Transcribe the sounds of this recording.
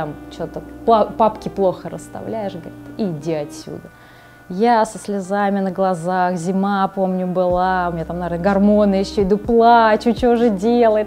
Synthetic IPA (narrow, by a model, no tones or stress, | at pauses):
amt͡ɕot̪əpˠapapkʲɪplˠo̞xəɾə̰st̪ɐ̰vlʲæjɪʂɡɐɾʲɪt̪ɪdʲeɐtʲsʲːṵd̪ə | jasəslʲɪzamʲɪnəɡlˠɐzaxzʲɪmapo̞mnʲʊbɨlˠaʊmʲnʲɲat̪amnɐvʲernəɡɐrmo̞nɨjɪɕːɵɪd̪uplˠat͡ɕʊt͡ɕoʐɨdʲelˠəjɪt̪